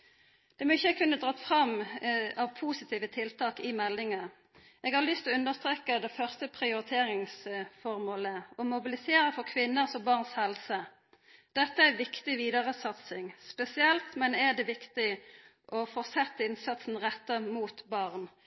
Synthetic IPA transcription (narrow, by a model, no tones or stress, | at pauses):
d̪̥ɛmɔɪçːəkʰʉnːəd̪ʁɑːt̪fʁɑmɑʋpʰuːsɪt̪ʰiːʋət̪ʰɪlt̪ʰɑːkɪmɛlːɪŋə | ʔeːɡhɑʁlʏst̪lɔʉnd̪əʁst̪ʁeːkəd̪ɛfœʁst̪əpʰʁɪʊɾɪt̪ʰeːʁɪŋsfɔʁmoːləɔmʊbɪlɪseːɾəfɔʁkʰʋɪnːəsɔmbɑʁnshɛlsə | d̪̥ɛt̪ːəæʋɪkt̪ɪʋiːd̪ɑʁəsɑt̪sɪŋspɛsɪɛlt̪mɛnɛd̪ɛʋɪkt̪ɪ | ʔɔfɔʁsɛt̪ːəɪnsɑt̪sn̩ʁɛt̪ːəmuːt̪bɑʁn